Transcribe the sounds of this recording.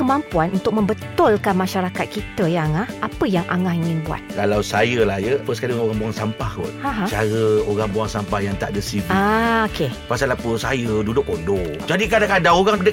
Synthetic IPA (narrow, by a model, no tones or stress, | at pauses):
kəmampuanʔunt̪ʊk̚mə̃mbət̪ɔlkanmãʃaɾakat̪̚kit̪əjaŋahapəjaŋʔa̰ŋahiŋɪnbua̰t̪̚kalawsajəlahjəpəskadoɾaŋbuaŋsampahko̰tãɦãt͡ʃaɾəoɾaŋbuaŋsampahjaŋt̪a̰ʔdəsiɡiaokepasalapəsajədudʊk̚odod͡ʒadikadakadaŋoɾaŋədə